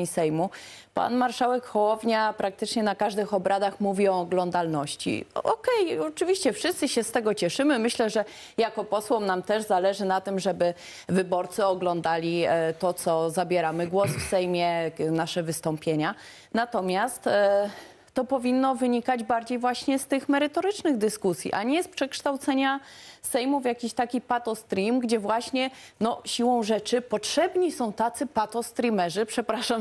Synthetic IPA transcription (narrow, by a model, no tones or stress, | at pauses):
sɛjmupa̰nmaɾʂawɛkxɔwɔvɲapɾak̚t̪ɘt͡ʂɲɛnakaʐd̪ɘxɔbɾʔad̪axmuvʲiɔːɡlɔnd̪alnɔɕt͡ɕḭʔɔkɛjɔt͡ʂɘvʲiɕt͡ɕɛfʂɘst̪sɘɕɛst̪ɛɡɔt͡ɕɛʂɘmɘmɘɕlɛʐɛ | jakɔpɔswɔmnamt̪ɛʐzalɛʐɘnat̪ɘmʐɛbɘ | vɘbɔɾt̪sɘɔɡlɔnd̪alʲit̪ɔt̪sɔzabʲjɛɾamɘɡwɔsfsɛjmʲjɛnaʂɛvɘst̪ɔmpʲjeɲa | nat̪ɔmʲjast̪ː | ɔpɔvʲinːɔvɘɲikad͡ʑbaɾd͡ʑejvwaɕɲɛst̪ɘxmɛɾɘt̪ɔɾɘt͡ʂnɘɣd̪ɘskusʲjḭʔa̰ɲɛspʂɛkʂt̪awt̪sɛɲasɛjmufʲjakʲiɕt̪akʲipat̪ɔst̪ɾʲimɡd͡ʑɛvwaɕɲɛnɔɕiwɔ̃w̃ʐɛt͡ʂɘpɔtʂɛbɲisɔ̃w̃t̪at̪sɘpat̪ɔst̪ɾʲimɛʐɘpʂɛpɾaʂam